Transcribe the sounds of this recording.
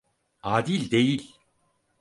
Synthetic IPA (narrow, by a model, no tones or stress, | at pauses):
aːd̪ilʲd̪ejilʲ